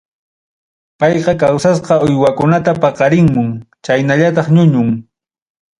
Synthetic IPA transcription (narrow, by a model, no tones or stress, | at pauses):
pɑjqɑkawsas̬qɑʊjwakʊnat̪apɑqɑɾɪŋmʊŋt͡ʃajnaʎat̪ɑχɲʊɲʊŋ